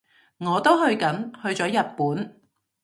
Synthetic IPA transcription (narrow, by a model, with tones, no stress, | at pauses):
ŋɔː˨˧t̪o˥whɵ˧ɥkɐ˨˥nhɵ˧ɥt͡sɔː˨˥jɐ˨t̚puː˨˥n